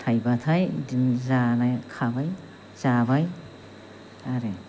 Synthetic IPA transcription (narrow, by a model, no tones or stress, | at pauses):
t̪ʰajbatʰajdinzanajkʰabaj | zabaj | aɾe